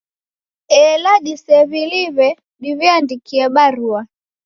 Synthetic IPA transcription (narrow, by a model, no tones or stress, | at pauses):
ɛlaɗisɛβiliβɛ | ɗiviandikiɛɓaɾua